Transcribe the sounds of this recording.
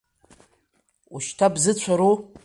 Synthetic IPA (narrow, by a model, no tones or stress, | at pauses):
uʃtʰabzɨt͡ɕʷʰaɾu